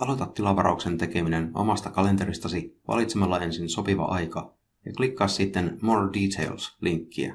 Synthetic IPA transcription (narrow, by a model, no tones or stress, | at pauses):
ɑlo̞t̪ɑt̪ːilɑʋɑɾʔɑ̰ukse̞nt̪e̞ke̞mineno̞̰mɑst̪ɑkɑle̞nt̪e̞ɾist̪ɑsiʋɑ̰lit̪semɑlːɑe̞nsinso̞piʋɑ̰ʔɑjkɑ | jɑklikːɑːssit̪ːenmoːrdit̪ʰḛjlsliŋkːiæ̰